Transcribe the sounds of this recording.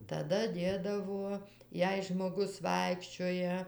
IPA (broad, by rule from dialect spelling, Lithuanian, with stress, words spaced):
tɐˈdɐ ˈdʲeːdɐʋoː ˈjɛɪ ʒmoːˈɡʊs ˈʋɐɪkʃʲt͡ʃʲoːjɛ